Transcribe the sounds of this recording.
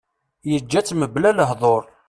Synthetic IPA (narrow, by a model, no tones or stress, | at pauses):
jəd͡ʒːæt͡sːməblæləɦðˤoɾˤ